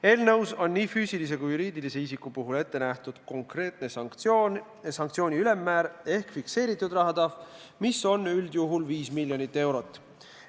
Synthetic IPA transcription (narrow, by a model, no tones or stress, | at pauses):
e̞ːlnɤwso̞nːiːfyːsilis̬e̞kujːuɾiːd̪̥ilise̞isikːupuɦule̞t̪ːenæht̪ud̪̥ko̞ŋkre̞ːt̪̚ne | sɑŋkt̪sio̞ːnʲiyle̞mːæːɾe̞hkfikse̞ːɾit̪ːˑud̪rɑɦɑd̪̥ɑf | miso̞nyld̪̥juɦulviːsmilʲjo̞nit̪ːe̞wɾo̞t̪ːˑ